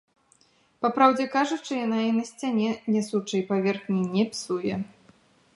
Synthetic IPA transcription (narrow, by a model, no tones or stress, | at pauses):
papɾawd͡zʲɛkaʐut͡ʂɨjanainɐsʲt͡sʲanʲɛnʲɛsut͡ʂɐjpavʲɛrxnʲinʲːɛpʲi̥sujɛ